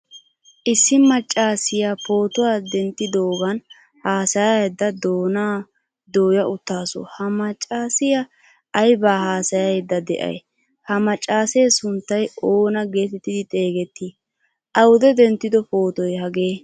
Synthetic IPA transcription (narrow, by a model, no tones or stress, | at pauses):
ʔɪsːɪmɐt͡ʃʼːaːsɪjapo̞ːt̪ʊwaːd̪ɛnt̪ːɪd̪oːɡɐn | haːsɐjaɛd̪ːɐd̪oːnaː | d̪oːjɐʊt̪ːaːsɔ̰hɐmɐt͡ʃʼːaːsɪjɐ | ʔːjbaːhaːsɐjɐjd̪ːɐd̪ɛ̰ʔɐ̰j | hɐmɐt͡ʃʼːaːsejːsʊnt̪ːɐjo̞ːnɐɡeːt̪ɛt̪ːɪd̪ɪt̪ʼe̞ːɡɛt̪ːi | ʔɐwʊd̪ɛd̪ɛnt̪ːɪd̪ɔpoːt̪ɔjhɐɡeː